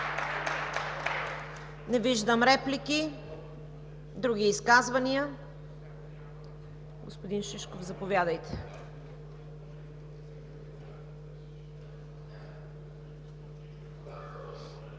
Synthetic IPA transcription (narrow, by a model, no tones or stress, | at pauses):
nɛviʒd̪əmɾɛpliki | d̪ɾuɡ̟iːskazvɐniə | ɡo̰spod̪inʃiʃkovzɐpovʲjad̪əjt̪ɛ̥